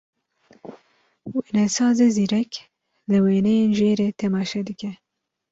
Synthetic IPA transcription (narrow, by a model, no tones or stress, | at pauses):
weːnɛsɑːzeːziːɾɛk | lɨweːnɛjeːnʒeːɾeːt̪ʰɛmɑːʃɛd̪ɨkɛ